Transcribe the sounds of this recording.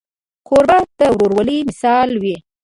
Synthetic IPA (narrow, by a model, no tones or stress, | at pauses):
koɾbɑd̪əwɾoɾwalimɪsɑlwi